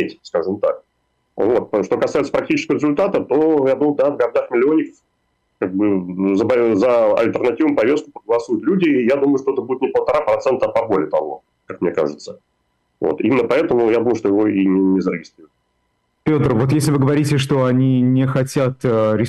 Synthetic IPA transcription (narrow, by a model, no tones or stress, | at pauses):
etʲskaʐɨmt̪a̰k̚ | vo̞t̪̚pʂt̪o̞kɐsajɪt̪sə̥pɾɐk̚tʲit͡ɕɪskəvəɾʲɪzʊlʲt̪at̪ət̪ojad̪uməjʊd̪avɡɐrd̪axmʲɪlʲɪonʲːɪkəf | kaɡ̚bɨzəbɐzəɐ̰lʲt̪ʲərnɐtʲivəmpɐvʲe̞st̪̚kʊ̥pɾəɡəlˠɐsujʊt̪lʲudʲɪːjad̪uməjʊʂt̪oɛt̪əbudɪt̪nʲɪpəlˠt̪ɐɾapɾɐt̪sɛnt̪əapɐbolʲɪət̪ɐvo̞̰ | kakmnʲeka̰ʐɨt̪sə | vo̰t̪ḭmʲɪnːəpɐɛt̪əmʊjad̪uməjʊʂt̪ojɪvo̞inʲɪnʲɪzəɾʲɪɡʲɪst̪ɾʲiɾʊt̪ | pʲo̞t̪rvo̞t̪jesʲlʲɪvɨɡəvɐɾʲitʲɪʂt̪o̞ɐnʲinʲɪxɐtʲat̪əɾʲɪ